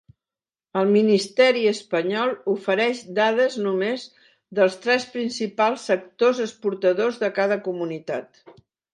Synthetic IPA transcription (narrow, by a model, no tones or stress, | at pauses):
əlˠminist̪ɛɾiəspəɲɔlˠufəɾɛʒd̪aðəznumez | ðəlˠst̪ɾɛspɾinsipalˠsːək̚t̪ozəspuɾt̪əðozðəkaðəkumunit̪at̪